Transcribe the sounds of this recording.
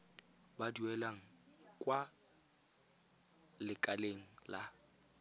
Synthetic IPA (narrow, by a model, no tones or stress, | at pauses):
baduɛlaŋ̩kʼwa | lɪkʼaleŋ̩la